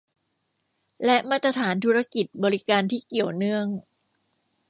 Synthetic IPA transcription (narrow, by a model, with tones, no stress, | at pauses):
lɛ˦˥ʔmaː˥˩t̪ɾa˧t̪ʰaː˩˦nt̪ʰuː˦˥ɾa˥ki˨˩t̪̚bɔː˧ɾi˦˥kaː˧nt̪ʰiː˥˩ki˨˩əwnɯ˥˩əŋ